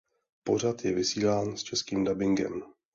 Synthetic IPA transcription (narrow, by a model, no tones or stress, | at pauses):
po̞r̝at̪jɛvɪsiːlaːnst͡ʃɛskiːmdabɪŋɡɛ̰m